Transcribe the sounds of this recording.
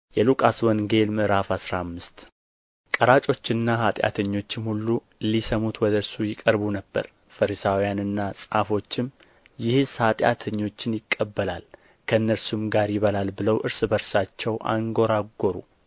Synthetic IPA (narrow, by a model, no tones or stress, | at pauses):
jɛlukʼaswɔnɡe̞lmɨʔɾafasɾamːɨst̪ | kʼəɾat͡ʃʼo̞t͡ʃːɪnːahat̪ʼja̰t̪ʰəɲːo̞t͡ʃːɪmhulːu | lisəmut̪wɔd̪əɨɾsujɪkʼəɾbunəbːə̰ɾ | fəɾisawijanɨnːasʼafo̞t͡ʃːɪm | jɪhshat̪ʼja̰t̪ʰəɲːo̞t͡ʃːɪnjɪkʼːəbːəlal | kʰəɨnːəɾsumɡaɾjɪβəlalbɨləwʔɨɾsɨbəɾsat͡ʃːɛwʔa̰ŋɡo̞ɾaɡo̞ɾṵ